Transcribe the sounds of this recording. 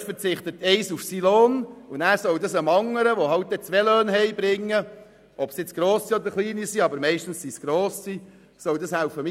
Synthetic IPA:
fəɾt͡sɪχt̪ət̪ɛɪsufsiloːnunæːɾsɔwdɑsəmɑŋːəɾəʋohɑwt̚d̥̪ɛt͡sʋɛløːnɦɛɪbɾɪŋːə | ʔɔpsjɪt͡sɡ̥ɾoːsiɔd̪əɾχliːnisiɑbəɾmɛɪʃtn̩ssisɡ̥ɾoːsi | sɔwdɑshæʊfəm

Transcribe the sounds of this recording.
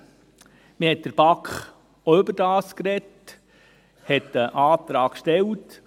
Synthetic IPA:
mɪhɛt̚d̥əɾb̥ɑkχ | oʏbəɾd̥ɑːskɾɛt | hɛtəʔɑːt̪ɾɑːkʃtɛlt

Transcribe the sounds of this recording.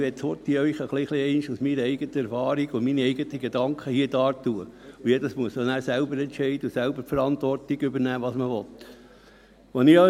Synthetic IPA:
ʋɛtshot̪iœjχəχliχliɛɪnʃusmiɾəɛɪɡət̪əæɾfɑːɾiɡʊminiɛɪɡət̪əɡed̪ɑŋkʰχəhiəd̥ɑːt̪uəujɛdəsmuəsənæːɾsælbəɾɛnt͡ʃɛɪd̪əusælbəɾfəɾɑnt̪ʋɔrtiɡʏbəɾnæːʋɑːsməʋɔt̪ | ʋoni

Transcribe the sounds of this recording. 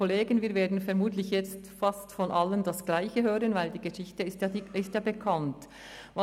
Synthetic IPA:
oleːɡənviːɐveːɐdn̩fɛɐmuːtlɪçjɛt͡stfɑstfɔnʔɑləndɑsɡ̥laɪçəɦøːʁənvaɪldiːɡəʃɪçtəɪstjɑɪstjaːbəkʰɑnt | vɑ

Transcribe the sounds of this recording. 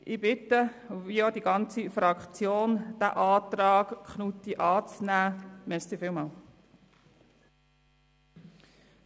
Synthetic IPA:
ʔɪbɪt̪ə | iod̥̪iɡɑnt͡sifɾɑkχt͡sjoːnd̥æ̰ʔɑːt̪ɾɑːkkχnut̪iʔɑːt͡snæːmɛɾssifɪːlmɑːl

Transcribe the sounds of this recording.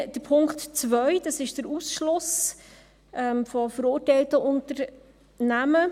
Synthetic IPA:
d̥əɾpʰʊŋktt͡svœʏd̥ɑsɪʃd̥əɾusʃlʊs | ʔɛmfɔfəɾʊːɾtɛɪltəʔʊntəɾ | næmə

